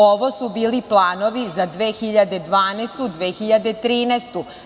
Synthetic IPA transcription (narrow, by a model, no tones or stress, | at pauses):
oʋosubiːliplˠaːno̞ʋizad̪ʋeːxiʎad̪ed̪ʋaːnest̪ud̪ʋeːxiʎad̪et̪ɾiːnɛst̪u